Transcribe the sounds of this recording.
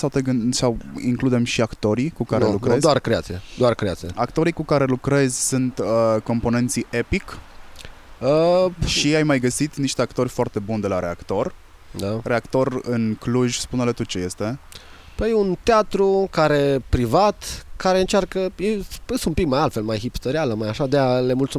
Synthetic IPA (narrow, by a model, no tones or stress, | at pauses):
sawt̪eɡɨnsawḭŋklud̪e̞mʃiakt̪o̞ɾikukaɾelukɾezd̪oarkɾeat̪sijed̪oarkɾea̰t̪sieakt̪o̞ɾikukaɾe̞lukɾe̞zʲsunt̪əko̞mpo̞ne̞nt̪siʔe̞pik | əʃiajmajɡəsit̪niʃt̪eakt̪o̞rʲfoart̪e̞bund̪e̞laɾe̞akt̪o̞r | d̪are̞akt̪o̞rɨnkluʒʲspunele̞t̪ut͡ʃe̞je̞st̪e̞ | pəjeunt̪eat̪ɾukaɾe̞pɾivat̪kaɾe̞ɨnt͡ʃarkəjeəseumpik̚majalt̪fe̞lmajɦipt̪oɾealəmajaʃad̪eale̞mult̪su